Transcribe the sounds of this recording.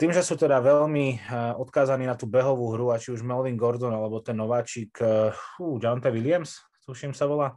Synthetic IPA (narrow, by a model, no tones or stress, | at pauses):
t̪iːmʒɛsuːt̪ɛd̪aʋɛlmiɔt̪kaːzaniːnat̪uːbɛɦɔʋuːɦɾuat͡ʃiuʒmɛlʋiŋɡɔɾd̪ɔnalɛbɔt̪ɛnːɔʋaːt͡ʃikuːd͡ʒant̪aʋilɪams | t̪uʃimsaʋɔlaː